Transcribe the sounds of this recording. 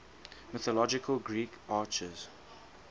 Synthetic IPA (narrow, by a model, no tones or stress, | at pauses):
mɪθɔlɔd͡ʒɪkʰəlɡɹiːkaːt͡ʃəz̥